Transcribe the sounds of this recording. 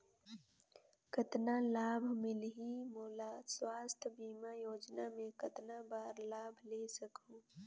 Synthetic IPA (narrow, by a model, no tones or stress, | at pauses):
kət̪nalaːbʱmɪlɦimoːlaːswaːst̪ʰbiːmajoːd͡ʒnamẽkɐt̪nabaːɾlaːbʱleːsɐkʰũː